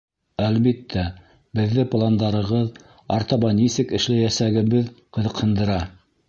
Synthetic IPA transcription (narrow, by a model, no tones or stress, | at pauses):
ælβit̪ʰːæ | bɘ̆ðːɘplˠand̪ɑɾɤ̆ʁɤð | ɑ̰ɾt̪ɑβɑnisɘkɘ̆ʃlæjæsæɡɘ̆βɘðqɤ̆ðɤ̆qhɤ̆nd̪ɤ̆ɾɑ